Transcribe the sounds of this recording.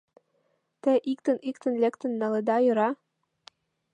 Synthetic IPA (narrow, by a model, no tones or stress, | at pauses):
t̪ɘʔik̚t̪ɘ̆nʔikt̪ɘ̆nlækt̪ɘ̆nːɑlɤ̆d̪ɑjɤ̆ɾɑ